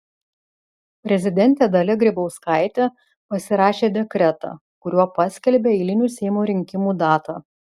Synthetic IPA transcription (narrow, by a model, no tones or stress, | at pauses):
pʲɾʲɛzʲɪd̪ʲɛnʲt̪ʲeːd̪ɐlʲɛɡɾʲɪbɐʊskɑɪt̪ʲɛ | pɐsʲɪɾɑːʃʲeːd̪ʲɛkɾʲɛt̪ɑ̰ | kʊɾʲuɔpɑsʲkʲɛlʲbʲeːɛɪlʲɪnʲuːsʲɛɪmoːɾʲɪŋʲkʲɪmuːd̪ɑːt̪ɑ